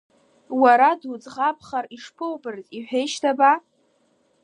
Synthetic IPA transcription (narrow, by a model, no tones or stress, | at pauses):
waɾadud͡zʼʁapʰχariʂpʰɨwbɨrtʼiħʷᶣejʃtʰaba